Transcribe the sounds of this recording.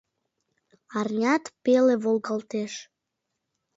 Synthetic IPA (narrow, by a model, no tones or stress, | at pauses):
ɑrnʲɑt̪peleβolɣɑlt̪eʃ